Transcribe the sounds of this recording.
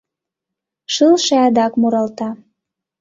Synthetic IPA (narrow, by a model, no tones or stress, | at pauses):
ʃɯlʃeɑd̪ɑkmuɾɑlt̪ɑ